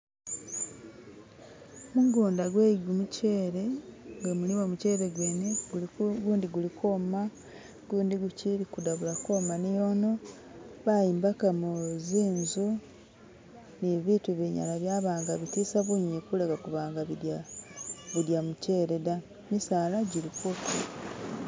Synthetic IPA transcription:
muɡuːndaɡweːɡumuce̞ːɾe̞ŋɡamuliwamuce̞ːɾeɡeːneɡuːndiɡulikʰoma | ɡuːndiɡuciɾikudaβulako̞ːmanijo̞ːno̞ | βajiːmbakamuziːnzu | niβituβiɲa̰laβjaːβaːŋɡaβitiːsaβuɲikulekakuβaːŋɡaβidja | βudjamuce̞ːɾe̞da | misaːlaɟiɾikoti

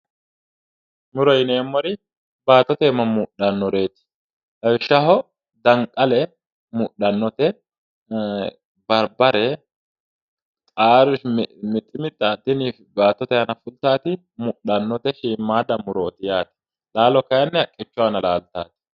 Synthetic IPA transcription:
mʊɾɔjɪneːmːɔɾɪ | baːt̪ːɔt̪eːmɐmʊɗɐnːɔɾe̞ːt̪ɪ̥ | hɐwɪʃːɐɦɔ | d̪ɐŋkʼɐlɛ | mʊɗɐnːɔt̪ɛ | bɐɾbɐɾɛ | t̪ʼaːɾʊmɪt̪ʼːɪmɪt̪ʼːɐt̪ːɪniːfbaːt̪ːɔt̪ɛɐnɐfʊlt̪aːt̪ɪ | mʊɗɐnːɔt̪ɛʃiːmːaːd̪ɐmʊɾɔːt̪ɪjaːt̪ɪ̥ | laːlɔkɐjɐnːɛɐkʼːɪt͡ʃːʊanɐlaːlt̪aːt̪ɪ̥

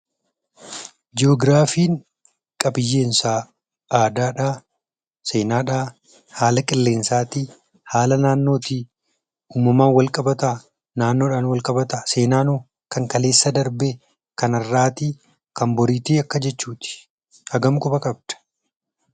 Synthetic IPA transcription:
d͡ʒɪɔːɡɾaːfiːŋ | kʼɐbɪjːe̞ːnsaː | aːd̪aːᶑaː | se̞ːnaːᶑaː | haːlɐkʼɪlːe̞ːnsaːt̪iː | haːlɐnaːnːo̞ːt̪i | uːmːɐmaːnwɐlkʼɐbɐt̪aː | naːnːo̞ːᶑaːnwɐlkʼɐbɐt̪aːse̞ːnaːnoː | kɐŋkɐle̞ːsːɐd̪ɐɾbe | kɐnɐrːaːt̪i | kɐmbɔɾiːt̪iːɐkːɐd͡ʒɛt͡ʃːuːt̪ɪ̥ | hɐɡɐmkʼʊbɐkʼɐb̚d̪̥ɐ̥

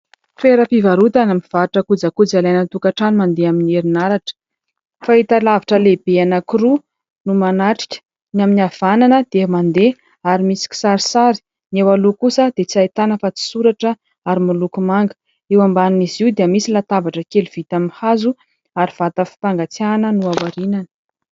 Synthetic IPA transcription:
feɾəpivaɾut̪anamiv̥aʈ͡ʂəkud͡zakud͡zalajnət̪ukaʈ͡ʂanimand̪eamineɾinaɾaʈ͡ʂə̥ | fait̪alaviʈ͡ʂəleb̥eanakiɾu | numanaʈ͡ʂi̥kʲə̥ | njaminiav̥ananəd̪̥emand̪e | aɾimisi̥kʲi̥saɾisaɾi̥ | newalokusəd̪̥et͡siajt̪anəfat͡si̥suɾaʈ͡ʂə | aɾimulukumaŋɡə̥ | ewambanniziwd̪eəmisilat̪abaʈ͡ʂəkeluv̥it̪aminhazu | aɾiv̥at̪əfi̥paŋɡat͡sjanənuawaɾinanə̥

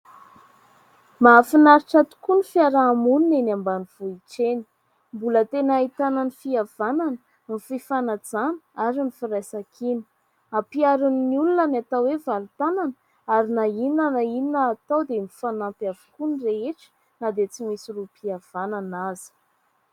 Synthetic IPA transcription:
maːfinaɾiʈ͡ʂat̪u̥kunifiaɾaːmuninenambaniv̥uiʈ͡ʂeni̥ | mbulət̪enait̪ananifiav̥ananə | mififanad͡zanəaɾimifiɾajsakʰini̥ | apiaɾuniniulunanat̪awevalut̪ananə | aɾinaininənaiminəːt̪awd̪emifanampjavu̥kunireeʈ͡ʂə̥ | nad̪et͡simisirupiav̥ananazi̥

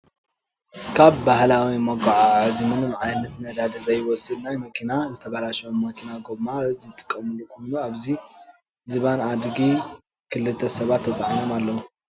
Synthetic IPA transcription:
kʰaβːahlawimɐɡaʕaʕɨzimɨnɨmʕajnɐt̪nɐd̪ad̪ɐzɐjwɔsɨd̪najmɐkʰinazɨt̪ʰɐβalaʃɐomːɐkʰinaɡobmazɨt̪ʼɨ̥kʼːɐmɨlukʰojnuaβzi | zɨβanad̪ɡi | kʰɨlɨt̪ʰːɐsɐβat̪ʰːɐt͡sʼaʕanomalːɐwu

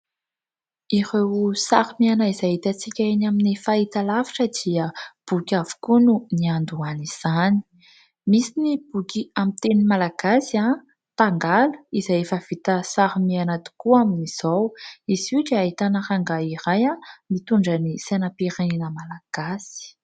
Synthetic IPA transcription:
iɾewsaɾumianaizaɦit̪at͡sikʲainaminefait̪alavi̥ʈ͡ʂəd̪̥iəb̥ukʲavu̥kununiand̪uaniz̥ani̥ | misinib̥ukiamint̪enimalaɡ̥asia | t̪aŋɡalu̥izajefəv̥it̪əsaɾumianat̪i̥kuaminiz̥awizuʈ͡ʂeaɦit̪anahaŋɡaiɾajamit̪uɳɖ͡ʐənisenapiɾeninəmalaɡ̥asi̥

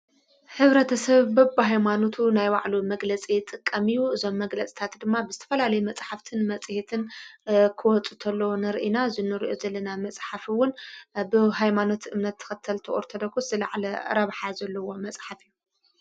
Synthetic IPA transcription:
ħɨβɾɐt̪ʰɐsɐβbɐːɦajmano̞t̪ʰunajwaʕlumɐɡlɐt͡sʼit̪ʼɨkʼːɐmijuʔɨzo̞mːɐɡlɐt͡sʼi̥t̪ʰat̪d̪ɨmːabɨzɨt̪ʰɐ̥fɐlalɐjumɐt͡sʼħaft̪ʰɨnmɐt͡sʼhet̪ʰɨnkʰɨwɔt͡sʼu̥t̪ʰɐlːonɨɾʔinazɨnɨɾiʔozɐlːɐnamɐt͡sʼħafwʊnbɨɦajmano̞t̪ʔɨmnɐt̪ʰːɐ̥xɐt̪ʰːɐlt̪ʰɐʔoɾt̪ʰɐd̪ɐkʰːuszɨla̰ʕlɐɐ̰ɾɐβħazɐlːɐwo̞mɐt͡sʼħafijːu

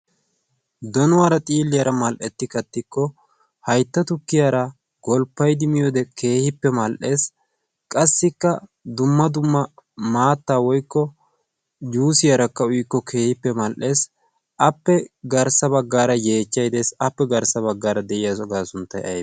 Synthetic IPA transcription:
d̪ɔnʊwaːɾɐt̪ʼiːlːɪjɐɾɐmɐlʔɛt̪ːɪkɐt̪ːɪkːɔ | hɐjt̪ːɐt̪ʊkːɪjaɾɐ | ɡ̥ɔlpːɐjd̪ɪmɪjɔd̪ɛkʰe̞ːhɪpːɛmɐlʔe̞ːs | kʼɐsːɪkːɐ | d̪ʊmːɐd̪ʊmːɐmaːt̪ːaːwɔjkːɔ | juːsɪjɐɾɐkːɐʊjkːɔkʰe̞ːhɪpːɛmɐlʔe̞ːs | ʔɐpːɛɡɐɾsɐbɐɡːaːɾɐje̞ːt͡ʃːɐjd̪esɐpːɛɡɐɾsɐβɐɡːaːɾɐd̪ɛʔɪjasɔɡaːsʊnt̪ːɐjɐ̰j

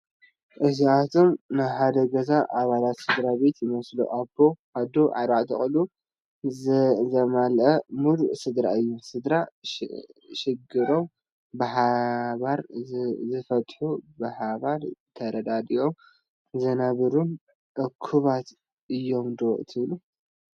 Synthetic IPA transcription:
ʔɨziat̪ʰo̞mnɨħad̪ɐɡɐzaʔaβalat̪sɨd̪ɾabe̞t̪jɪmɐslṵʔabːo̞ʔad̪oʕa̰ɾaʔt̪ʰɐ̰χʼlu | zɐmalʔɐmud̪uʔsɨd̪ɾaɨjːusɨd̪ɾa | ʃɪɡɨɾo̞m | bɨħaβaɾzɨfɐt̪ʼħubɨħaβaɾt̪ʰɐɾɐd̪ad̪ijo̞m | zɐnɐβɨɾun | ʔɐkʰuβat̪ | ʔɨjːo̞md̪oʔt̪ʰɨβlu

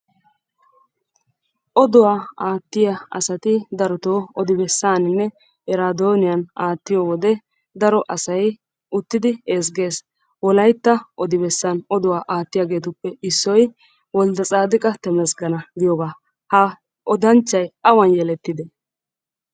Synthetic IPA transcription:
ʔɔd̪ɔwaːaːt̪ːɪjɐɐ̰sɐt̪ɪd̪ɐɾɔt̪oːɔd̪ɪbɛsːaːnɪnːɛ | ʔɛɾaːd̪o̞ːnɪjanʔaːt̪ːɪjoːwɔd̪ɛ | d̪ɐɾɔʔɐsɐj | ʔʊt̪ːɪd̪ɪeːs̬ɡe̞ːs | wɔlɐjt̪ːɐʔɔd̪ɪbɛsːanɔd̪ʊwaːʔaːt̪ːɪjaːɡe̞ːt̪̬ʊpːɛɪsːɔj | wɔld̪ɐt͡sʼaːd̪ɪkʼɐt̪ɛmɛsɡɐnɐɡɪjɔːɡaː | hɐ | ʔɔd̪ɐnt͡ʃːɐjɐwɐnjɛlɛt̪ːɪd̪ɛ

